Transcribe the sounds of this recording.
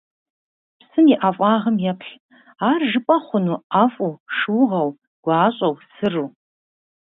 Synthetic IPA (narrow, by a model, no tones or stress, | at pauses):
sɨniʔafʼɑːʁəmjɛpʰɬ | aːrʒɨpʼɐχʷʊnuːafʼuʂɨwʁɐw | ɡ̥ʷaːɕʼɐwsɨru